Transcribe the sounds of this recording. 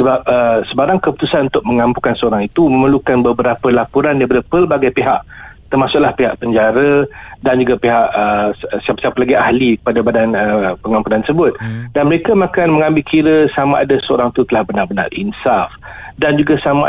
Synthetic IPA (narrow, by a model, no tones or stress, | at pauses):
səbap̚əsəbaɾaŋkəpu̥t̪usanunt̪ʊk̚məŋãmpukansəoɾaŋit̪uməməlukanbəbəɾapəlapuɾandajpadapərbaɡajpeɦaʔt̪ərmasʊʔ̚lahpeɦa̰ʔpəɲd͡ʒaɾədand͡ʒuɡapeɦaʔəsiapsiapalaɡiahlikə̥padabadanəpəŋãmpunant̪əsəbʊt̪̚danməɾekamãkanməŋãmbɪlkʰiɾəsamaʔadasəo̰ɾaŋit̪ut̪əlahbənarbəna̰rḭnsafdand͡ʒuɡasama